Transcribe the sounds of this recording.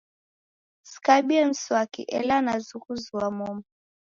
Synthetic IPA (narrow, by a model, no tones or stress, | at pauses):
skabiɛn̩swakḭʔɛ̰lanazukuzuwamɔma